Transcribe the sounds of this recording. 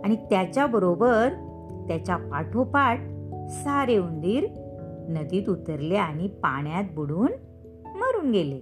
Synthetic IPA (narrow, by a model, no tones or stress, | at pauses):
aɽ̃it̪jat͡ɕjabəɾobəɾ | t̪jat͡ɕapaʈʰopaʈ̚saɾeund̪iːɾnəd̪iːt̪ut̪əɾleaɽ̃ipa̰ɳjat̪̚buɽuːn | məɾuːnɡele